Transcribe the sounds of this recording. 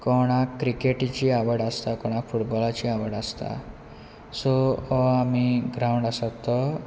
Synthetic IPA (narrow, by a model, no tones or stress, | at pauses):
kɔɽ̃akɾikeʈt͡ɕiːaʋəɽast̪akɔɽ̃afuʈbɔlat͡ɕiaʋəɽast̪a̰ | soamiɡɾawɳɖasat̪ːə